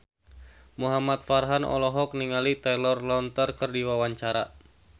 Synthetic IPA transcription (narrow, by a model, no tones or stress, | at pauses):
muɦamat̪̚farɦanʔɔ̰lɔɦɔk̚niŋalit̪ɛlɔrlɔnt̪ərkərdiwawaɲt͡ʃaɾa